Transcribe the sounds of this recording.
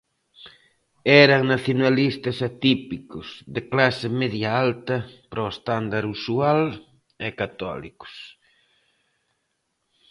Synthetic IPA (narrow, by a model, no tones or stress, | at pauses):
ɛɾɐŋnaθjonalist̪ɐsat̪ipikʊsðɪklasɪmɛðjaalt̪ɐpɾɔest̪and̪aɾusual | ɛkat̪ɔ̰lḭkʊ̥s